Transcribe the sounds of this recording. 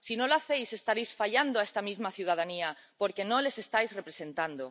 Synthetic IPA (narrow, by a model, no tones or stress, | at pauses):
sinõlaθejsest̪aɾejsfaʎand̪oaest̪amizmaθjuwð̞að̞ania | poɾkenõlesest̪ajzrepɾesẽnt̪and̪o